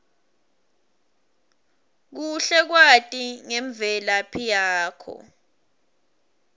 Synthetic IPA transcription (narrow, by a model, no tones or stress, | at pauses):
k̬uɬɛk̬watʼiŋɛɱb̪vɛlapʰijaːkʰɔ̰